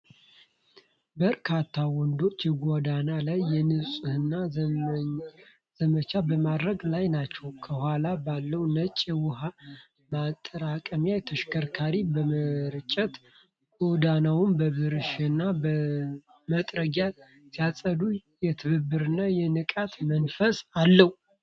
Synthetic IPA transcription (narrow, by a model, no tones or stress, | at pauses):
bəɾkʰat̪ʰːawɔnd̪o̞t͡ʃːjɛɡʷod̪analajːɛnɨsʼuhɨnːa | z̥əmət͡ʃʰabəmad̪ɾəɡlajnat͡ʃːɛwkʰəhʷalabalːəwnət͡ʃʼːɛwʊɦa | mat̪ʼːəɾakʼəmjajɛt̪ʰəʃkʰəɾkʰaɾibəməɾɨt͡ʃʼːət̪ | ɡod̪anawʊnbəβɨɾɨʃɨnːabə | mət̪ʼɾəɡa | sijasʼəd̪ujɛt̪ʰɨβɨbːɨɾɨnːajɛnɨkʼat̪mənfəsalːəwu